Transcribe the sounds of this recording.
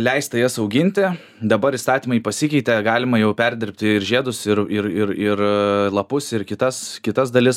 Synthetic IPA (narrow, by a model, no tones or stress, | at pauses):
lʲɛɪst̪ɐjɛsɐʊɡʲɪnʲt̪ʲɪ | d̪ɐbɐɾist̪ɑːt̪ʲiːmɐɪpɐsʲɪkʲɛɪt̪ʲɛɡɑːlʲɪmɐjɛʊpʲɛɾʲd̪ʲɪɾʲpʲt̪ʲɪɪrʒʲeːd̪ʊsɪɾɪɾɪɾɪrlˠɐpʊsɪrkʲɪt̪ɐskʲɪt̪ɐsd̪ɐlʲɪs